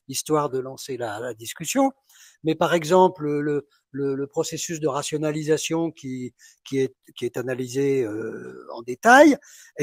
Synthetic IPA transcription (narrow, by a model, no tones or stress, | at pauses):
ist̪waʁd̪əlɑ̃selalad̪iskʲysjɔ̃ | mɛpaʁɛɡzɑ̃plələ | lələpχɔsesysd̪əʁasjɔnalizasjɔ̃kʲʰi | kʲiɛ | kʲiɛt̪analizeøɑ̰̃d̪et̪aj